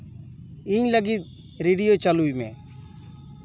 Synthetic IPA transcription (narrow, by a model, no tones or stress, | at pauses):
iːləɡiːt̪̚ | ɾeːɖijot͡ʃəluimḛ̃ː